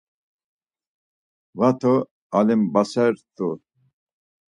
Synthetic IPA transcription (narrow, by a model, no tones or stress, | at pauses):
vat̪ʰɔ | alimbasɛɾt̪ʰʼu